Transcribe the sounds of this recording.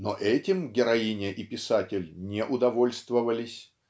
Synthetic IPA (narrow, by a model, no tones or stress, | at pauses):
no̰ʔɛtʲɪmɡʲɪɾɐinʲɪʔipʲɪsatʲɪlʲnʲeʔʊd̪ɐvo̞lʲst̪vəvəlʲɪsʲ